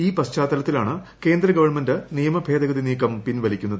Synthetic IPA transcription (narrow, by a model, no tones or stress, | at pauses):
iːpɐst͡ɕaːt̪ːɐlɐt̪ːilaːɳɨ | ke̞ːnd̪rɐɡɐʋɐrɳmendɨnijɐmɐbʱe̞ːd̪ɐɡɐd̪iniːkːɐmpinʋɐlikʲːunːɐðɨ